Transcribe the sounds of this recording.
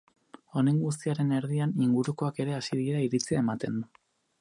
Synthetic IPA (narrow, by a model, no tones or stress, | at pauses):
o̞ne̞ŋɡust̪iaɾe̞ne̞ɾðianiŋɡuɾuko̞ake̞ɾe̞asiðieɾaiɾit͡siae̞mat̪e̞nd̪u